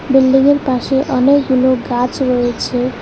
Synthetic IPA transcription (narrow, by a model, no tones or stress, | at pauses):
bilɖiŋeɾpaʃeʔɔnekɡuloɡat͡ɕɾoet͡ɕʰe